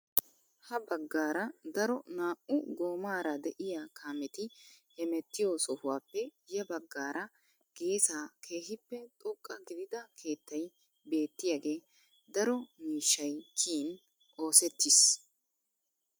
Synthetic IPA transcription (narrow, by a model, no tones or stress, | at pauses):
hɐbɐɡːaːɾɐd̪ɐɾɔnaːʔʊɡo̞ːmaːɾɐd̪ɛʔɪjaːkʰaːmɛt̪ɪhɛmɛt̪ːɪjoːsɔhʊwaːpːɛjɐbɐɡːaːɾʔɐ | ɡ̥e̞ːsaːkʰe̞ːɦɪpːɛt̪ʼʊkʼːɐɡɪd̪ɪd̪ɐkʰe̞ːt̪ːɐj | be̞ːt̪ːɪjaɡe̞ː | d̪ɐɾɔmiːʃːɐjkʰiːn | o̞ːsɛt̪ːɪs